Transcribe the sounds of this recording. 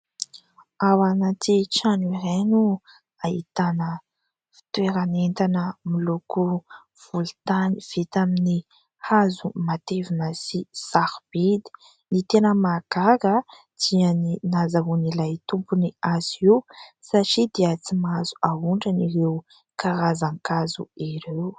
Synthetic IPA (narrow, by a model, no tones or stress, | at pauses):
awanat̪iʈ͡ʂaniɾenu | ahit̪anə | fi̥t̪weɾanent̪anəmiloku | v̥ult̪aniv̥it̪amini | hazumat̪evinəsisaɾb̥id̪i̥ | nit̪enəmaɡakə | d̪̥iəninazaɦunilajt̪umpuniaziwsaʈ͡ʂid̪eat͡simazu̥auɳʈ͡ʂəniɾeu | kaɾazaŋkazṵiɾew